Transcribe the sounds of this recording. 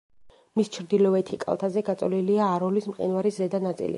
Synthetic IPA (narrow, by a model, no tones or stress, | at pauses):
mist͡ʃʰɾd̪ilɔɛt̪ʰikʼa̰lˠt̪ʰazɛɡat̪sʼɔliliaːɾɔlismqʼḭnvaɾiszɛd̪anat̪sʼḭlḭ